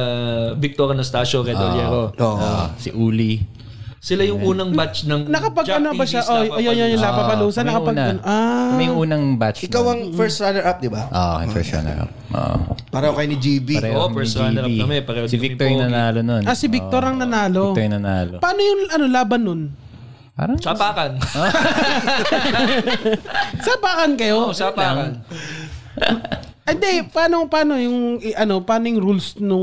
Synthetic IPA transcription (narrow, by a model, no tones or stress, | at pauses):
bɪk̚t̪oɾɐnɐst̪aːʃokɛojɛɾooo̰ʔsɪʔuːli | sɪlajʊŋʔuːnɐŋbat͡ʃnɐŋnɐkɐpɐɡɐnobɐʃaʔoɐjojonjʊŋlaːpɐpɐluːsɐnɐkɐpɐɡnɐnʔamɐjʊŋʔuːnɐŋbat͡ʃɪkawɐŋfɛɹst̪ɾanɛɹʔap̚d̪ɪbaʔo̰ʔɐjfɛst̪a̰nɛ̰ɹʔa̰p̚ʔo̰ʔpaːɾɐhokɐjonid͡ʒiːbiɾɐɛaɛɾaimɛpɐɾɐsɪbɪk̚t̪oɾjnɐnaːlononʔɐsɪbɪk̚t̪oɾɐŋnɐnaːlojnɐnaːlopaːnojʊŋɐno̞laːbɐnːon | pa̰ːɾɐsabaːkɐno | sɐpaːkɐnkɐjosabakɐn | ʔɛnd̪ɛpaːnopaːnojʊŋɪʔɐno̞paːnojʊŋɾulsnʊŋ